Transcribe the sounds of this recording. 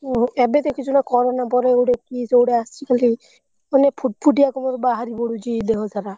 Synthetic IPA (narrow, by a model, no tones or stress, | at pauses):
ɔebed̪ekʰit͡ʃʰunakɔɾɔnapɔɾewɽekisewɽeasikali | ɔnepʰuʈ̚pʰuʈ̬iakɔmɔɾbaɦaɾibɔɽud͡ʒid̪eɦɔsʰaɾa